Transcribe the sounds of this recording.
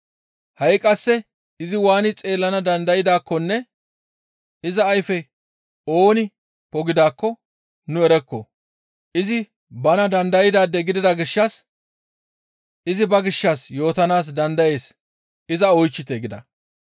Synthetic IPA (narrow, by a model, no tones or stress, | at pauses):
hɐjkʼɐsːɛ | ɪzɪwaːnɪt͡sʼe̞ːlːɐnɐd̪ɐnd̪ɐjɪd̪aːkːɔnːɛ | ɪzɐːjfɛ | o̞ːnɪ | pɔɡɪd̪aːkːɔ | nʊɛɾɛkːɔ | ʔɪzɪ | bɐnɐd̪ɐnd̪ɐjɪd̪aːd̪ːɛɡɪd̪ɪd̪ɐɡɪʃːɐs | ɪzɪbɐɡɪʃːɐsjo̞ːt̪ɐnaːs̬d̪ɐnd̪ɐje̞ːs | ɪzɐɔjt͡ʃːɪt̪ɛɡɪd̪ɐ̰